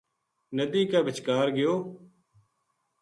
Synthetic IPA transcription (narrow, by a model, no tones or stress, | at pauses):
nəd̪iːkaːʋɪt͡ʃkaːɾɡɪjoː